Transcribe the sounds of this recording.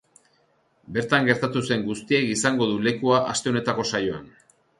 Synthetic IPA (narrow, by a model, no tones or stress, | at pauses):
be̞ɾt̪aŋɡe̞ɾt̪at̪use̞ŋɡust̪ie̞kisaŋɡo̞ðule̞kuaʔast̪e̞o̞ne̞t̪ako̞sajo̞a̰n